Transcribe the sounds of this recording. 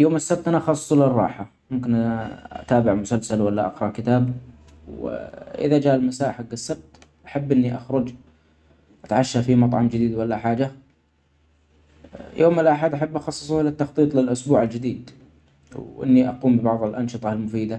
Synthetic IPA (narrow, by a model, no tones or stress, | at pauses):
joːmasːab̚t̪ʔanaʔɑxɑsˤːsˤlɪrˤːɑ̰ːħa | mʊmkɪnʔaʔa̰t̪aːbɪʕmʊsalsalwalːaʔɑ̰qɾˤɑʔkɪt̪aːb | wʔɪ̰ðad͡ʒaːʔalmasaːʔħaɡːasːab̚t̪ʔaħabːʔɪnːiʔaxɾˤʊd͡ʒ | ʔat̪ʕaʃːafimɑt̪ˤʕɑmd͡ʒɪd̪iːd̪walːaħaːd͡ʒa | jʔoːmɪlʔaħad̪ʔaħabːʔɑxɑsˤːɨ̥sˤuhlɪt̪ːɑxt̪ˤiːt̪ˤlɪlʔʊsbuːʕald͡ʒɪd̪iːd̪ | wʔɪ̰nːiʔaquːmbɪbɑʕðˤɪlʔɑnʃɨt̪ˤɑlmʊfiːd̪a